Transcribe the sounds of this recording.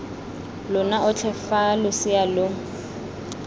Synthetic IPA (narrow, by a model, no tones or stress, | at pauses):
lʊnaʔʊt͡ɬʰɛfalʊsɪjalʊ